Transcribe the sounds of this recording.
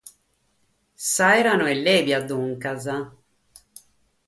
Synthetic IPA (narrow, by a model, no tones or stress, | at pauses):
sajɾanoɛlːebjad̪uŋkaza